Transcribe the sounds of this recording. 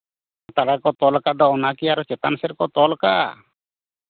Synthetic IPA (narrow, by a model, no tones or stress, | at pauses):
t̪aɽakɔt̪ɔlkad̪ɔɔnakiaɾɔt͡ʃɛt̪ansɛɾkɔt̪ɔlka̰